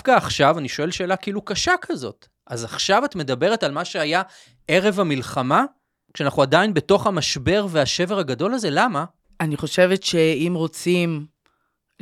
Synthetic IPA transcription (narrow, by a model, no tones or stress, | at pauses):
fkaːχʃavaniʃo̞e̞lʃe̞ːlakeilukaʃakʰazo̞̰t | azaχʃavatme̞dabeʁetalmaʃeaja | e̞ʁe̞vamilχama | kʃeanaχuadainbe̞to̞χhamaʃbe̞ʁveaʃe̞veʁaɡado̞lazelama | aniχo̞ʃe̞vetʃeimʁo̞t͡sim